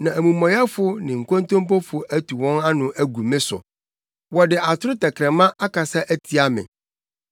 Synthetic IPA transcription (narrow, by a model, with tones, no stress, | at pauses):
nã˨æ˨mũ˨mɔ̃˨ja˦fʊ˦nɪ̃˨ŋ̩˨kõ˦n˦tõ˦mpɔ˦fʊ˨ʔæ˦tʰu˨wɔ̃˦na˦nʊ̃˨ʔæ˦ɡu˨mɪ̃˦sʊ̰˨ | wɔ˨dɪ˨a˨tʰʊ˦ɾʊ˦tɛ˨kʰɾɛ̃˨mã˦ʔa˦ka˨sa˦ʔæ˦tʰi˨a˦mɪ̰̃˨